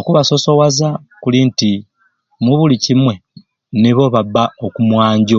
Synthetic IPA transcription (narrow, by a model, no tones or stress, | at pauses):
okuβaso̞so̞waza | kulinti | muβulicimwe̞ | niβo̞βabːaokumwaːɲɟo